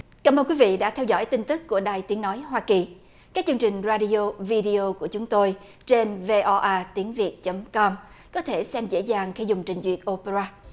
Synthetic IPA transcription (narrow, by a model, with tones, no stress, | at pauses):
kaː˧˩mʔəː˧nkwi˨˦vḭ˧˨ɗa̰ː˧˥t̪ʰɛ˧wzɔ̰˧˥˨jt̪i˧ŋ̟t̪ɨ˦˥kkːu˧˩əɗaː˨˩jt̪i˨˦əŋnɔ˨˦jɦwaː˧ki˨˩ | kaː˦˥k̚t͡ɕɨ˧əŋt͡ɕï˨˩ŋ̟zaː˧ɗi˧o˧vi˧ɗi˧o˧ku˧˩ət͡ɕʊ˨˦ŋ͡mt̪o˧j | t͡ɕe˧nve˧ʔɔ˧ʔaː˧t̪i˨˦əŋvi˨˩ət̚t͡ɕə˨˦mkɔ˧m | kɔ˨˦t̪ʰe˧˩sɛ˧mzḛ˧˥zaː˨˩ŋxi˧zʊ˨˩ŋ͡mt͡ɕï˨˩ŋ̟zwḭ˨˩ət̚ʔo˧pe˧zaː˧